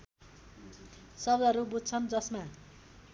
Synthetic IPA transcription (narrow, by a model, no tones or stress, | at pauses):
sʌbd̪ʱʌɾubud͡zt͡sʰʌnd͡zʌsma